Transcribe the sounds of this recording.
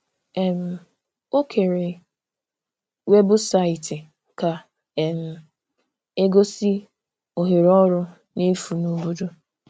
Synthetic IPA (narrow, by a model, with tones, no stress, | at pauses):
e˨m̩˨ | o˦kʰe˨ɾe˨ | we˦bʊ˦sa˦ɪ˨tɪ˨ | ka˨ | e˨m̩˨ | e˦ɡo˦si˦ | o˨ɦe˨ɾɔ˦ɾʊ˦ | ne˦fu˨no˦bo˦do˦